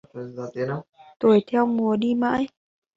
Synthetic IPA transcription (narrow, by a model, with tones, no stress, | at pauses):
zaː˨˩t̪i˨˦nɗə˧wt̪o˨˩jt̪ʰɛ˧wmu˨˩˦əɗi˧ma̰ː˧˥j